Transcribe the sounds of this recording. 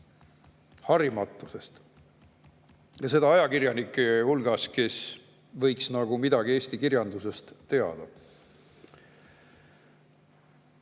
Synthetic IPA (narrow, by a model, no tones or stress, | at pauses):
hɑɾimɑt̪ːˑuse̞st̪ | jɑse̞d̪ɑɑjɑkiɾjɑnikːˑehulɡ̥ɑske̞s | vɤ̞jksnɑɡ̥umid̪ɑɡ̥ie̞ːst̪ikirjɑnd̪use̞st̪ːe̞ɑ̰d̪̥ɑ